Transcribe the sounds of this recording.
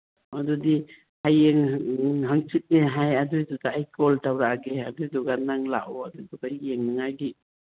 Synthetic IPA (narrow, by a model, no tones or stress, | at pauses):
adudi | hajeŋɦaŋsit̚neɦajadujdɔtaːjkɔltawɾaɡeadujdɔɡanaŋla̰ʔɔadudɔɡajːeŋnaŋajɡi